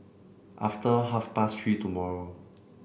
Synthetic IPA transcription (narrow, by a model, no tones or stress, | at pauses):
ʔaftəɦafpastɹitumɔɹo